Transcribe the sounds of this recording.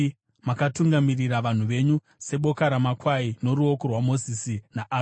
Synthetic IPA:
makatuŋɡamiriraʋan̤uʋe̞ɲu | se̞ɓo̞kaɾamakwaino̞ɾuokorwamo̞zisinaʔa

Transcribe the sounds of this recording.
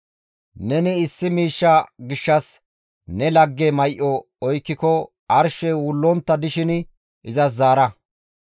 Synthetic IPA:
nɛnɪɪsːɪmiːʃːɐɡɪʃːɐs | nɛlɐɡːɛmɐjʔɔ | ɔjkːɪkɔ | ʔɐɾʃɛwʊlːɔnt̪ːɐd̪ɪʃɪn | ɪzɐs̬zaːɾɐ

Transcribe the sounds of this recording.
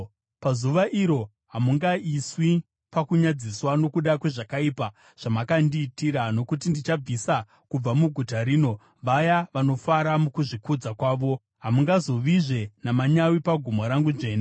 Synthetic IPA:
pazuʋaʔiɾo̞ | ɦamuŋɡaiswi | pakuɲad͡ziswano̞kuɗakwe̞ʐakaiːpa | ʐ̥amakandiːtiɾano̞kutindit͡ʃab͡visa | kub͡vamuɡʱutaɾiːno̞ | ʋajaʋano̞faɾamukuʐikud͡zakwaːʋo̞ | ɦamuŋɡazo̞ʋiʐe̞namaɲawipaɡʱumoɾaŋɡuʐe̞ːna

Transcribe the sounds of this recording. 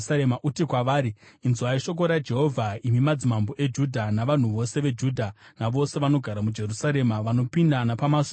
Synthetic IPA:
saemaʔutikwaʋaːɾiːnzuaiʃo̞k̬o̞ɾad͡ʒe̞ɦo̞vʱaimimad͡zimamboʔe̞d͡ʒudʱanaʋan̤uʋo̞se̞ʋe̞d͡ʒuːdʱanaʋo̞se̞ʋano̞ɡʱaɾamud͡ʒe̞rusaɾe̞maʋano̞pindanapamas

